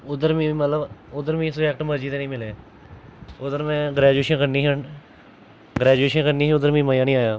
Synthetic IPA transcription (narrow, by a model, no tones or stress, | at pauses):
ʊd̪əɾmĩːmət̪ləbʊd̪əɾmĩːsʊɛːk̚ʈməɾd͡ʒiːt̪enĩːmɪleː | ʊd̪əɾmɛ̃ːɡɾɛːd͡ʒueːʃənkəɾniːɦən | ɡɾɛːd͡ʒueːʃənkəɾniːɦʊd̪əɾmĩːməjaːnĩːaːjaː